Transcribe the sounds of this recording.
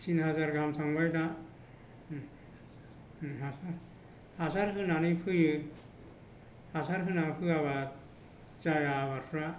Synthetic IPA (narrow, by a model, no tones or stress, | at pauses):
sinɦazaɾɡamsaŋbajda | ɦasa | hasaɾɦɯnanɯpʰɯjɯ | hasaɾɦɯnapʰɯaβa | t͡ʃajaβaɾpʰɾa